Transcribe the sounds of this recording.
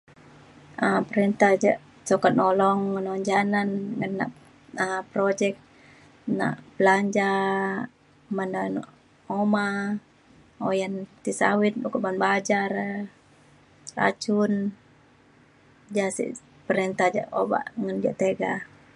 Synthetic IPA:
əpəɾɛnt̪ahd͡ʒaʔ | sɔkanolɔŋːənoŋd͡ʒananŋənːa̰ʔ | əpɾod͡ʒɛk̚ | na̰ʔbəlaɲd͡ʒa | manan | oma | ojant̪isa̰wit̪̚ukɔʔmanbad͡ʒar | ra̰t͡ʃun | d͡ʒasḭʔ | pəɾɛnt̪ahd͡ʒa̰ʔo̰ba̰ʔŋand͡ʒa̰ʔt̪eɡa

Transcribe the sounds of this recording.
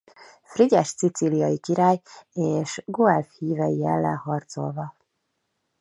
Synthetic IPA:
friɟɛʃt̪sit̪silijɒjikiɾaːjeːʃɡoɛlfhiːvɛjijɛlːɛ̰nhɒrt̪so̞̰lvɒ

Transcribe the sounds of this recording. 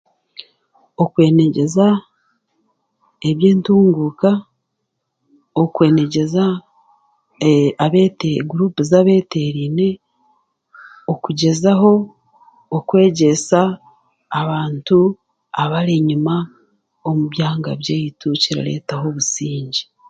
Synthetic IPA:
o̞kwe̞ːne̞ɟe̞za | eβjeːntuːŋɡuka | okwe̞ːne̞ɟe̞za | βeteɡuɾuːpuzaβe̞ːte̞ɾiːne̞ | okuɟe̞zaɦo̞ː | kwe̞ːɟe̞saː | βaːntu | aβaɾiɲuma | omuβjaːŋɡaβjeːjituciɾa̰ɾe̞̰ːtaɦo̞βusiːɲɟi̥

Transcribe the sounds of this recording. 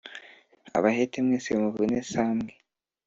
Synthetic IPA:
a̰βahetemŋesemuvunesaːmɡe

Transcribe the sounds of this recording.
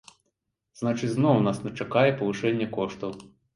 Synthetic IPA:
z̥nat͡ʂɨt͡sʲznɔwnasnʲɐt͡ʂakajɛpɐvɨʂɛnʲːɛkɔʂt̪ɐw

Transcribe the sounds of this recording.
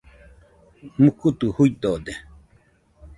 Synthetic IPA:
mukut̪uhuid̪od̪e

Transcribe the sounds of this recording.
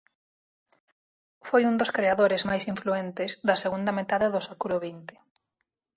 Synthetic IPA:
fojund̪oskɾeaðoɾɪzmajsiɱfluent̪ɪzðɐseɣund̪ɐmet̪aðɪðʊsekuloβint̪ɪ̥

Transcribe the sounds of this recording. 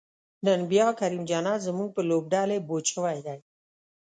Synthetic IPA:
nənbjɑkaɾimd͡ʒɑnɑzəmuŋɡ̚pəlob̚ɖɑlebot͡ʃəwajd̪aj

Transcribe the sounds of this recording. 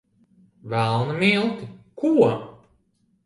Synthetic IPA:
vælˠnɨmilˠt̪ikuɔ

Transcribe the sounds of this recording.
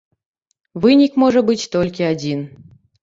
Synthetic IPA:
vɨnʲikmoʐəbɨtʲt̪olʲkʲeadʲin

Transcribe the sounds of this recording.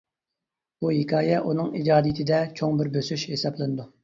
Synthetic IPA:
b̥uɦikʲʰɑːjɛʔunɨŋid͡ʒɑːd̪ijt̪ʰɪd̪ɛt͡ʃʰoŋbɪɾbøsyʃhesɑblˠɨnɨd̪u

